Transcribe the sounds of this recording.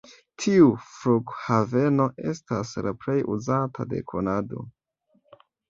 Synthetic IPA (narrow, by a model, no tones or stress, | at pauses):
tʰiufɾukhave̞no̞ʔe̞staslapɾe̞jʔuzatʰa̰de̞̰kʰo̰nado̞̰